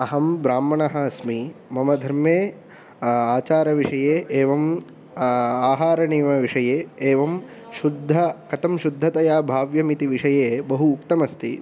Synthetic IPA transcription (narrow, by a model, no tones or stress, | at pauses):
ɐɦɐmbɾaːmːɐɳɐɦɐɐsmimɐmɐd̪ʱɐɾmjeː | aːt͡ʃaːɾɐʋiʂɐjeːʔeːʋɐm | aːɦaːɾɐniːmɐʋiʂɐjeːeːʋɐm | ʃud̪ʱːɐkɐt̪ɐmʃud̪ʱːɐt̪ɐjaːbʱaːʋjɐmit̪iʋiʂɐjeːbɐɦuːkt̪ɐmɐst̪ʰḭ